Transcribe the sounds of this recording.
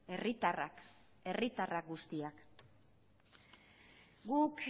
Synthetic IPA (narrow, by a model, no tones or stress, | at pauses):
rit̪ara | e̞rit̪arak̚ɡust̪iak | ɡuk